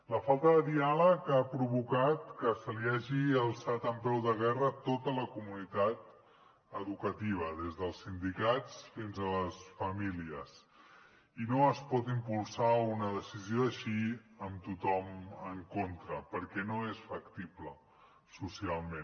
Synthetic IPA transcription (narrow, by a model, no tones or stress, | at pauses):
ləfalˠt̪əðəðialəkapɾuβ̞ukat̪kəsəliaʒiəlˠsat̪əmpɛwðəɣ̞ɛrət̪ot̪ələkumunit̪at̪ | əðukət̪iβ̞əðezðəlˠsːind̪ikat͡sfinzələsfəmiliəs | inoəspɔt̪impulˠsaunəðəsizioəʃiəmt̪ut̪ɔməŋkont̪ɾəpəɾkɛnoesfəkt̪iplə | susialˠmẽn